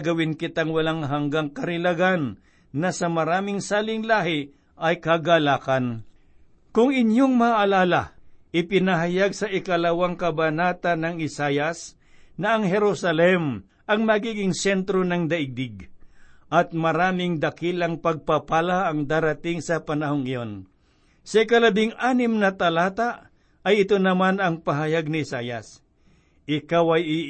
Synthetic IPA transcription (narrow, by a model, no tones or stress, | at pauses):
ɡɐwɪnkɪt̪aŋwɐlaŋɦɐŋɡaŋkɐɾɪlaɡanː | ɐsɐmɐɾaːmɪŋsaːlɪŋlaːɦɪ | ʔɐjkɐɡalaːkɐn | kʊŋɪnjoŋmɐaʔːlaːlɐ̰ʔɪpɪnɐɦɐjaɡ̚sɐʔɪkɐlɐwaŋkɐbɐnaːt̪ɐnɐŋɪsaːjɐs | nɐʔɐŋɦɛɾosɐlɛm | ʔɐŋmɐɡiːɡɪŋsɛnt̪ɾonɐŋd̪ɐʔɪɡ̚d̪ɪɡʔɐt̪̚mɐɾaːmɪŋd̪ɐkiːlɐŋpɐɡ̚papalaʔɐŋd̪aːɾɐt̪ɪŋsɐpɐnɐɦoŋːɪjo̞n | sɐɪkɐlɐbɪŋʔaːnɪmnɐt̪ɐlaːt̪aʔ | ɐjɪt̪onɐmanɐŋpɐɦajaɡ̚nɪɪsaːjɐs | ʔɪkawɐjɪ